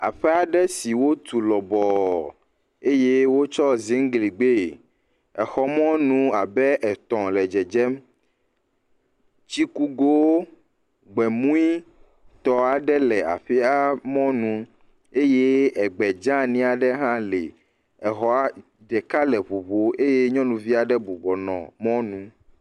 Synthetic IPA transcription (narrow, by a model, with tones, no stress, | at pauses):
a̰˨ɸɛ˦a˨ɖɛ˦si˨wo˦t̪u˨lɔ˨bɔ˨ | e˦je˦wo˦t͡ʃɔ˦zi˦ŋ˦ɡli˨ɡ͡be˦˨ | ɛ˨xɔ˨mɔ̃˦nũ˦a˨bɛ˦ʔɛ˨t̪ɔ̃˨lɛ˨d͡ʒɛ˨d͡ʒɛ˦m | t͡ʃi˦ku˦ɡo˦ | ɡ͡bɛ˨mũ˦i˦ | t̪ɔ˨a˨ɖɛ˦lɛ˨a̰˨ɸi˦a˦mɔ̃˦nũ˨˦ | e˦je˦ɛ˨ɡ͡bɛ˨d͡ʒã˦nĩ˦a˨ɖɛ˦ɦã˦le˨ | ɛ˨xɔ˨a˦ | ɖɛ˨ka˦lɛ˨βo˨βo˨e˦je˦ɲɔ̃˦nũ˨vi˦a˨ɖɛ˦bu˨bɔ˨nɔ̰̃˨mɔ̃˦nũ˦